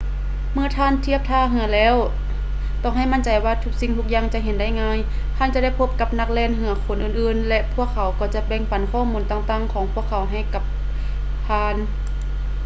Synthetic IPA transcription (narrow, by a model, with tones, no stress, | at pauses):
mɯ˧˥ɐt̪ʰaː˧˥˨nt̪ʰi˧˥˩əp̚t̪ʰaː˧˨ɦɯ˧˥ɐlɛː˧˥˨w | t̪ɔː˧˩ŋɦa˧˩jma˧˥˨nt͡ɕa˨˦jwaː˧˩t̪ʰu˧˥k̚si˧˨ŋt̪ʰu˧˥k̚jaː˧˩ŋt͡ɕa˧ʔɦe˨˦nda˧˥˩jŋaː˧˥˨j | t̪ʰaː˧˥˨nt͡ɕa˧˦da˥˩jpʰo˧p̚ka˧˥p̚na˧˥k̚lɛː˧˩˨nɦɯ˧˦ɐkʰo˧˦nʔɯː˧˩nʔɯː˧nlɛ˧ʔpʰu˧˩əkʰːa˨˦wkɔː˧˩t͡ɕa˧bɛ˧ŋpa˨˦nkʰɔː˧˥˨muː˧˦nt̪aː˧˩ŋt̪aː˧˥˨ŋkʰɔː˨˦ŋpʰu˧˩əkʰːa˨˦wɦa˧˩jka˧˦p̚ | t̪ʰaː˧˩n